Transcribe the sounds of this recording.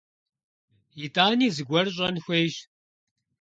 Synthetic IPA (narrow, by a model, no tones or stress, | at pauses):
jitʼaːniːzɨɡʷɐrɕ̬ʼɐnxʷejʃ